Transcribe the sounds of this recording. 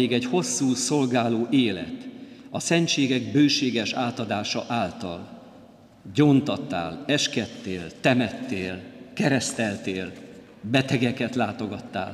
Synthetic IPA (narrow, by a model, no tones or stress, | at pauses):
iɡɛɟho̞sːuːso̞lɡaːloːʔeːlɛ̰t̪ɒsɛnt͡ʃeːɡɛɡ̚bøːʃeːɡɛʃaːt̪ɒd̪aːʃɒʔaːlt̪ɒ̰l | ɟoːnt̪ɒt̪ːa̰ːlɛʃkɛt̪ːeːlt̪ɛmɛt̪ːeːlkɛɾɛst̪ɛlt̪eːl | bɛt̪ɛɡɛkɛt̪laːt̪o̞ɡɒt̪ːa̰ːl